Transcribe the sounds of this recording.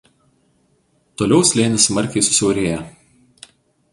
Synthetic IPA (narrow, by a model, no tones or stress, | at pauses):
t̪oːlʲɛʊsʲlʲeːnʲɪsmɐɾʲkʲɛɪsʊ̥sʲɛʊɾʲeːjɛ